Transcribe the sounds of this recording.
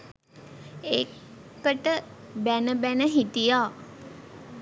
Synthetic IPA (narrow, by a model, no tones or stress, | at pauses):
e | kəʈəbænəbænəɦit̪ijaː